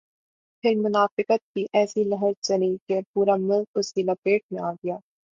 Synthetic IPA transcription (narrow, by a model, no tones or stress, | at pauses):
pʰɪɾmʊnaːfɪkət̪̚biːʔɛːsiːləɦəɾt͡ʃəɾiːkepuːɾaːmɪlɡʊsiːlapeːʈ̚mẽaːɡɪjaː